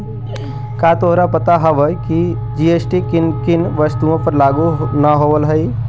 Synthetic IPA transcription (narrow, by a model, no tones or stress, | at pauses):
kat̪oɦɾapət̪aɦəʋəjki | d͡ʒiesʈikinkinʋəst̪uõpəɾlaːɡunəɦoʋəlɦəi